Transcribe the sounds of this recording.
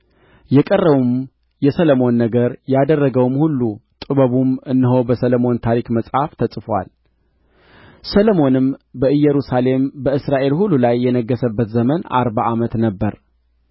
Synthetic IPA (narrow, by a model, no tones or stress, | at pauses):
jɛkʼərːəβum | jɛsələmo̞nːəɡəɾjad̪ərːəɡəwmhulːut̪ʼɨβəβumɨnːɨɦobəsələmo̞nt̪ʰaɾikməsʼhaft̪ʰəsʼfwa̰l | sələmo̞nɨmbəɨjːɛɾusale̞mbəɨsɾaʔe̞lhulːulajːɛnəɡːəsəbːət̪zəməna̰ɾbaʔamət̪nəbːəɾ